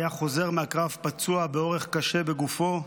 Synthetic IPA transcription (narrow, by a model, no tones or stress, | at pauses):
jaχo̞ze̞ʁmeakʁavpat͡suabeo̞ʁe̞χkaʃebe̞ɡufo̞